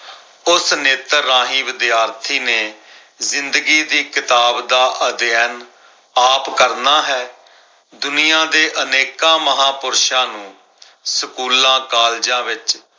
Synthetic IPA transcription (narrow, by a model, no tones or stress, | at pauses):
ʊsneːt̪əɾãːɦiːʋɪd̪ɪjaːɾt̪ʰiːneː | zɪnd̪əɡiːd̪iːkɪt̪aːbd̪aːʔəd̪jɛːn | aːpkəɾnaːɦɛː | d̪ʊnijãːd̪eːʔəneːkãːməɦãːpʊɾʃãːnũː | səkuːlãːkaːld͡ʒãːʋɪt͡ʃ